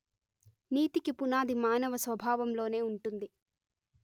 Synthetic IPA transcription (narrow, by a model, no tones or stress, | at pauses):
niːt̪ikipunaːd̪ʱimaːnɐʋɐsʋɐbʱaːʋɐmlo̞ːne̞ːuɳʈund̪i